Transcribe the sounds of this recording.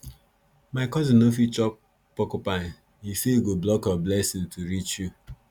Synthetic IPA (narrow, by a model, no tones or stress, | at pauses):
maɪkɔzinofit͡ʃɔk̚ | pɔkopa | hisejuɡoblɔkablɛsɪ̃ŋtʰuɾit͡ʃju